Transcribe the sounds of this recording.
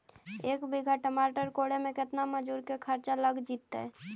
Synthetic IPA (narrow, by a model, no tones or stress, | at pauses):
ekbiɡʱaʈəmaʈəɾkoɽemeket̪naməd͡ʒuɾkekʰəɾt͡ʃaləɡd͡ʒit̪ːɛ̰